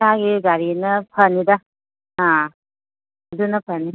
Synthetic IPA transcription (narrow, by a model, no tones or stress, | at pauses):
aɡiɡaɾinɐpʰɐnidɐ | ã | dunɐpʰɐni